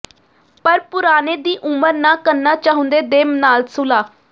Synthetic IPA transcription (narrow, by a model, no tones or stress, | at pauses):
pəɾpʊɾaːneːd̪iːʔʊməɾnãːkəɾnaːt͡ʃaːɦʊ̃nd̪eːd̪eːmnaːlsʊlaː